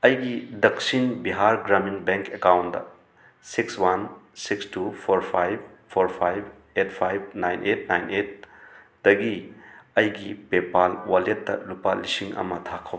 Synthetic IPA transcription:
ɐjɡidɐksinbiɦaɾɡɾaminbeŋkekawntdɐ̰ | sikswansikstupʰoɾpʰajb̚pʰoɾpʰajb̚ | et̚ʰpʰajb̚najnʔet̚ʰnajnʔet̚ | d̥ɐɡiɐjɡipepalwaletːɐ̰lupalisiŋɐ̰mɐtʰakʰɐw

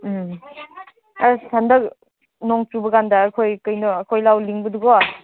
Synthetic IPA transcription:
m | asʰandɐk̚ | nɔŋt͡ʃubɐɡandaːkʰojkɯjnɔːkʰojlawliŋbɯduɡɔ

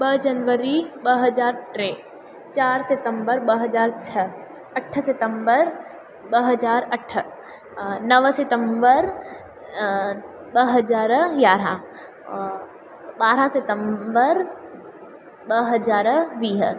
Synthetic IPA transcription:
bəd͡ʒɐnʋəɾibəɦɐd͡ʒaːɾʈɾeː | t͡ʃaːɾsɪt̪əmbəɾbɐɦɐd͡ʒaːɾt͡ʃʰɐ | ɐʈʰsɪt̪ə̃mbəɾ | bəɦɐd͡ʒaːɾɐʈʰːə | nɐʋsɪt̪əmbəɾ | bəɦɐzaːɾjaːɾã | baːɾasɪt̪əmbəɾ | bəɦɐzaːɾʋiːɦə

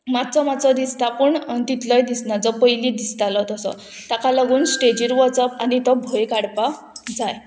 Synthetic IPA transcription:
mat̪t͡sɔmat͡sɔd̪ist̪apuɳt̪it̪ləjd̪isnad͡zɔpəjlid̪ist̪alɔt̪ɔsɔ̰ | t̪akalaɡuːnsʈed͡ʑiːɾʋɔt͡sɔpanit̪ɔbʱojkaɽpa | d͡zaj

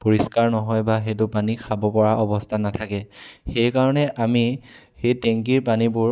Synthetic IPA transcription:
poɹiskaɹnɔɦɔjbaxejt̬ʊpanikʰabɔpɔɹaʔɔbɔstʰanatʰakɛxejkaɹɔnɛʔami | xejteŋkiɹpanibʊɹ

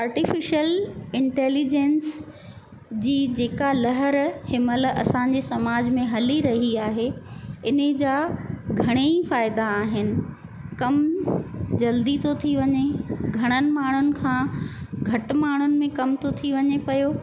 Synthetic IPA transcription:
aːɾʈɪfɪʃəlɪ̃ɳʈɛːlid͡ʑeːns | d͡ʑiːd͡ʑeːkalɐɦəɾhɪməlʔɐsãɲ̆d͡ʑesɐmaːd͡ʑmẽɦɐliɾɐɦiaːɦeɪnəd͡ʑaːɡʱɐɽ̃eifaːɪd̪aːɦɪnɪ̆ | kɐm | d͡ʑɐld̪it̪ʰot̪ʰiʋɐɲeɡʱɐɽ̃ənɪ̆maːɳ̤ʊnɪ̆kʰãːɡʱɐʈmaːɳ̤ʊnɪ̆mẽkɐmt̪ʰot̪ʰiʋɐɲepɐjoː

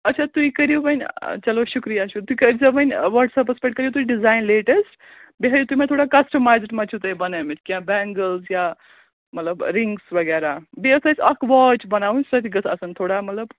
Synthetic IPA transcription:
ɐtːt͡ʃʰat̪uikɐɾjibənʲt͡ʃɐloʃukɾijaʃut̪uikɐd͡zɐbənʲʋəɾʈsɐpɐspekʈkɐɾjut̪uiɖizaːjnleʈəsʈ | beɦəɾjit̪uimẽt̪ʰoːɽakɐsʈəmajzʈmɐt͡ʃʰut̪əjbɐnamet͡ʃkiãbɛŋɡəlzja | mɐt̪ləbɾiŋɡsʋɐɡɛːɾabeəsɐt͡sʰɐkʰʋɔt͡ʃbɐnaːunsɐt̪ʰiɡət͡sʰɐsənt̪ʰoːɽamɐt̪ləb

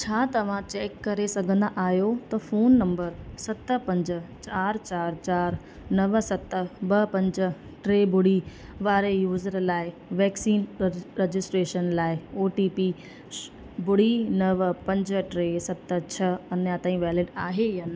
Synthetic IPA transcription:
t͡ɕʰaːt̪ɐʋ̤ãt͡ɕeːkːɐɾesɐɡʱə̃nd̪aʔaːɦjot̪ɐfoːnːɐ̃mbəɾsɐt̪əpɐ̃ɲd͡ʑ̆t͡ɕaːɾt͡ɕaːɾt͡ɕaːɾ | nɐʋsɐt̪ə̆bɐpɐ̃ɲd͡ʑə̆ | ʈɾeːbʱʊɽ̤i | ʋaːɾejuːzəɾlaːɪ | ʋɛːksiːnɾed͡ʑɪsʈɾeːʃənlaːɪoːʈipiː | bʊɽinɐʋpɐ̃ɲd͡ʑ̆ʈɾeːsɐt̪t͡ɕʰɐɐnjat̪aːĩʋɛːlɪɖaːɦejaːn

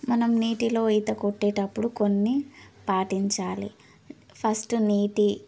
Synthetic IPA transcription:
mɐnɐmniːʈilo̞ːjt̪ɐkoʈːeːʈɐpːuɽuko̞nːipaːʈiɲt͡ʃaːlḭ | pʰɐsʈniːʈi

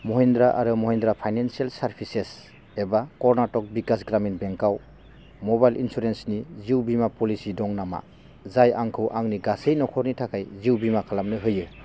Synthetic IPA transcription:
mɔɦendɾaʔaɾɯmɔhendɾapʰajnansialsaɾpʰises | ebakɔɾnatɔk̚bikasɡɾaminbeŋkaw | mɔbajlʔḭnsuɾensniziwbimapɔlisidɔŋnama̰ | zajaŋkʰɯwʔaŋniɡasejnɔkʰɔɾnitʰakajziwbimakʰalamnɯɦɯjɯ

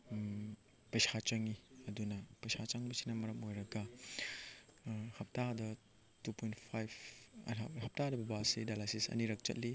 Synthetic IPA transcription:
pɐjsʰat͡ʃɐŋiɐdunɐpɐjsʰat͡ʃaŋbɐsi̥nɐmɐɾɐmojɾɐɡɐ | hɐp̚tadɐ | tupojntpʰajb̰ | hɐp̚tadɐbɐbasidajlajsisɐ̰niɾɐk̚t͡ʃɐ̰t̚li

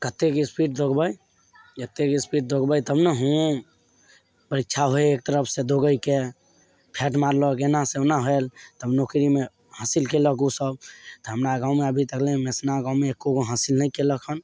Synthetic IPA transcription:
kət̪ːekispiʈ̚d̪ʱokbəj | d͡ʒət̪ːekispiʈ̚d̪ʱokbəjt̪əbnəɦũ | pəɾikːt͡ʃʰaɦoeːk̚t̪əɾəpʰsed̪ʱoɡəjke | pʰeʈmaɾlɔkenasenaɦoelt̪əbnokɾime | hãsilkelək̬usəb̚t̪ɔɦəmɾaɡãʊmeəbʱit̪əklẽmesnaɡaʊmeːkːokoɦãsilnəikeləkʰən

